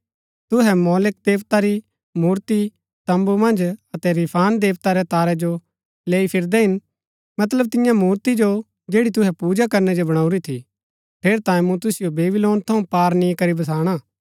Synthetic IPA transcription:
t̪ʊɦɛmɔːlɪk̚d̪eːʋt̪aɾi | muːɾt̪i | t̪ɐ̃mbumɐ̃nd͡ʒɐt̪ɛɾɪpʰaːnd̪eːʋt̪aɾɛt̪aːɾɛd͡ʒo | leːipʰɪɾd̪ɛɦɪn | mɐt̪ləb̚t̪ɪ̃jãmuːɾt̪id͡ʒo | d͡ʒeːɽit̪̬ʊɦɛpuːd͡ʒakɐɾnɛd͡ʒobɐɽ̃aːuɾit̪ʰḭ | ʈʰeːɾt̪ãːĩmũt̪ʊsɪjobeːbɪloːnt̪ʰɐũpaːɾnĩkɐɾibɐs̬aːɽ̃aː

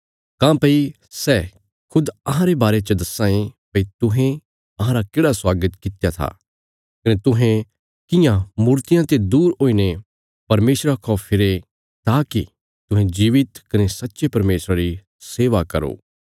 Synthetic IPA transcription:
kãːpɐi | sɛː | kʰʊd̪ɐɦãɾebaːɾet͡ʃəd̪ɐsãːẽpɐit̪ʊɦẽ | ɐɦãɾakeːɽaswaːɡət̪kɪt̪jat̪ʰa̰ː | kɐnet̪ʊɦẽ | kɪjãmuːɾt̪ɪjãt̪ed̪uːɾɦoːine | pɐɾmeːsɾakʰɔːpʰɪɾe | t̪aːkḭ | t̪ʊ̃ɦẽd͡ʒiːʋɪt̪kɐnesɐtːʃepɐɾmeːsɾaɾi | seːʋakɐ̰ɾo̰ː

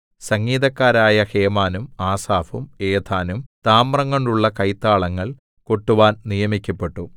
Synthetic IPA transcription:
sɐŋːiːðɐkːaːɾaːjɐheːmaːnumaːsaːfumeːt̪ʰaːnumt̪aːmrɐŋːoɳɖuɭːɐkɐjt̪ːaːɭɐŋːɐɭ | ko̞ʈːuʋaːnnijɐmikʲːɐpːe̞ʈːu

